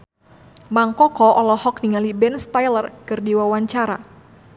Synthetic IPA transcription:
maŋkɔkɔʔɔlɔhɔk̚niŋalibɛnst̪ajlərkɨrdiwawaɲt͡ʃaɾa̰

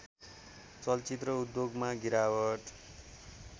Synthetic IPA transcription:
t͡sʌlt͡sit̪rʌud̪joɡmaɡiɾawʌʈ

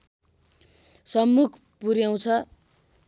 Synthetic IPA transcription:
sʌmːukʰ | puɾjaw̃t͡sʰʌ

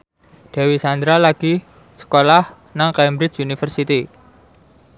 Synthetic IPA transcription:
ɖ̥a̤wisand̪ɾalaɡ̥i | sə̥kolah | naŋkajmbɾɪt͡ʃunifərsit̪i

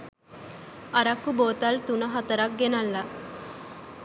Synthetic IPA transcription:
ɐɾɐkːuboːt̪ɐlt̪unɐɦɐt̪ɐɾɐk̚ɡenɐlːa

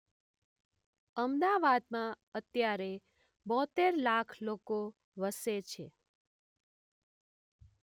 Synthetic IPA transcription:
əmd̪aʋad̪̚mã | ət̪jaɾe | bɔ̃t̪eɾlakʰloko | ʋəset͡ʃʰe

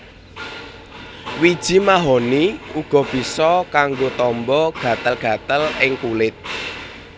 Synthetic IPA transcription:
wid̥ʒ̥i̤maɦɔniuɡ̥ɔ̤b̥i̤sɔkaŋɡot̪ɔmbɔɡ̥a̤t̪əlɡ̥ä̤t̪əlɪŋkulɪt̪̚

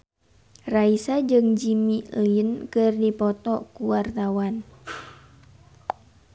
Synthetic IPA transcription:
raisad͡ʒɨŋd͡ʒimiliənkɨrdipɔt̪ɔkuwart̪awan

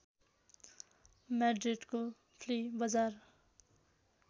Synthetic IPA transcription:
mɛɖɾiʈko | pʰlibʌd͡zaːɾ

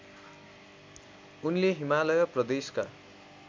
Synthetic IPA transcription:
unleɦimalʌjʌprʌd̪eska

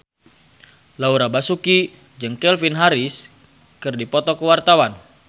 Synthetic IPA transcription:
lauɾabasuki | d͡ʒɨŋkɛlfinɦaɾis | kɨrdipɔt̪ɔkəwart̪awan

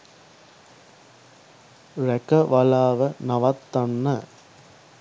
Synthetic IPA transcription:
ɾɛkɐʋɐlaːʋɐnɐʋɐt̪ːɐnːɐ

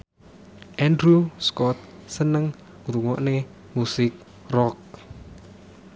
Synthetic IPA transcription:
ʔɛndɾuskɔt̪̚sənəŋ | ɾuŋɔʔne | musɪk̚ | rɔk̚

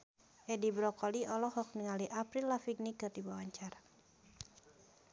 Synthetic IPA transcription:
ʔɛdibɾɔkɔliɔlɔhɔk̚niŋaliʔapɾilːafiɡ̚nikɨrdibawaɲt͡ʃaɾa

